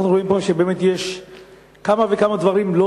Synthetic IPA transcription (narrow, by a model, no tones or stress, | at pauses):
aχnuʁo̞impoʃebeːmet̪jeʃ | kamavekamad̪vaʁimlo